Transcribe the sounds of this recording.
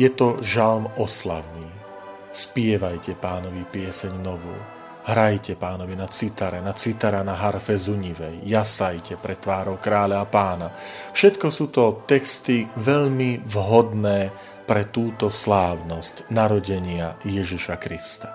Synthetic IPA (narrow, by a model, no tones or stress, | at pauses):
jɛt̪ɔʒalmɔsla̰ʊniː | spɪɛʋajcɛpaːnɔʋipɪɛsɛɲnɔʋṵː | ɦɾajcɛpaːnɔʋinat͡sit̪aɾɛnat͡sit̪aɾanaɦaɾfɛzuɲiʋɛjːasajcɛpɾɛt̪ʋaːɾɔʊkɾaːlaːpaːnafʃɛt̪kɔsuːt̪ɔt̪ɛkst̪iʋɛʎmivɦɔd̪nɛː | pɾɛt̪uːt̪ɔslaːʊnɔscnaɾɔɟɛɲɪajɛʒiʃakɾist̪ḁ